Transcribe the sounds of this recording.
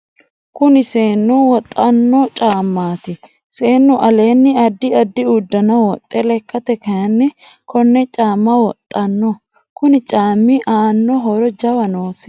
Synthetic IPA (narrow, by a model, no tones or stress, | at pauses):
kʊnɪse̞ːnːɔwɔt̪ʼːɐnːɔt͡ʃʼaːmːaːt̪ɪ | se̞ːnːɔʔɐle̞ːnːɪɐd̪ːɪɐd̪ːɪud̪ːɐnɐwɔt̪ʼːɛlɛkːɐt̪ɛkɐjɐnːɪ | kɔnːɛt͡ʃʼaːmːɐwɔt̪ʼːɐnːɔ | kʊnɪt͡ʃʼaːmːɪʔaːnːɔɦɔɾɔd͡ʒɐwɐnoːsɪ̥